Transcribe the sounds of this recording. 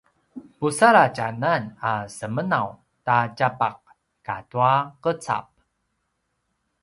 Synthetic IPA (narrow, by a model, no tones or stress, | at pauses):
pusaɾacananasəmənaw | tacapaq̚ | katuaqət͡sa̰p̚